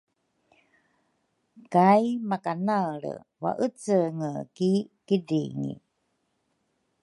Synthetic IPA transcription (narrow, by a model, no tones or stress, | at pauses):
kajmakanaɭə̰ | va̰ʔət͡səŋəkikidiŋḭ